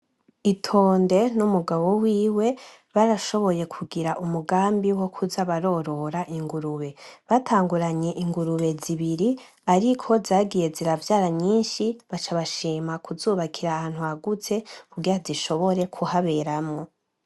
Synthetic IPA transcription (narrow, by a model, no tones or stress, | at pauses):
itʰo̞ːnde̞numuɡaβo̞wiːwe̞ | βaɾaʃo̞βo̞je̞kʰuɡiɾaʔumuɡaːmbiwo̞kʰuzaβaɾo̞ɾo̞ɾaʔiŋɡuɾuβe̞βatʰaːŋɡuɾaɲe̞ʔiŋɡuɾuβe̞ziβiɾi | aɾikʰo̞zaːɡije̞ziɾavjaːɾaɲɲiːnʃiβat͡ʃaβaʃiːmakʰuzuːβakʰiɾahaːnhuaɡut͡se̞kuɡiɾaziʃo̞βo̞ɾe̞kʰuhaβe̞ɾamŋo̞